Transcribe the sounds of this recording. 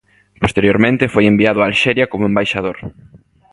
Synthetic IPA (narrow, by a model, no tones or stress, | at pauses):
post̪eɾjoɾmẽnt̪ɪfojembiaðʊaːlʃɛɾjɐkomʊembajʃaðoɾ